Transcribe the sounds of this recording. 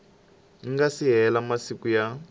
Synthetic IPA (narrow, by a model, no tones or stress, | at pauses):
iŋɡasiɦɛlamasikuja